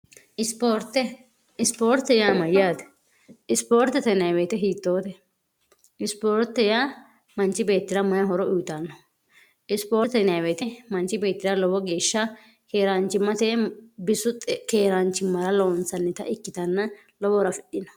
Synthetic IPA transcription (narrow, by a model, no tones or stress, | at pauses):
ʔɪspoːɾt̪ːɛ | ɪspoːɾt̪ːɛjaːmɐjaːd̪ | ɪspoːɾt̪ːɛt̪ɛnɐweːt̪ɛɦiːt̪ːo̞ːt̪ɛ | ɪspoːɾt̪ːɛjaː | mɐnt͡ʃɪbe̞ːt̪ːɪɾɐmɐjɐɦɔɾɔuːt̪ɐnːɔ | ʔɪspoːɾt̪ɛnaːweːt̪ɛmɐnt͡ʃɪbe̞ːt̪ːɪɾɐlɔwɔɡe̞ːʃːɐ | keːɾaːnt͡ʃːɪmːɐt̪ebɪsʊt̪keːɾaːnt͡ʃːɪmːɐɾɐloːnsɐnːɪt̪ɐ̰ʔɪkːɪt̪ɐnːɐ | lɔwɔɾɐfɪɗːɪnɔ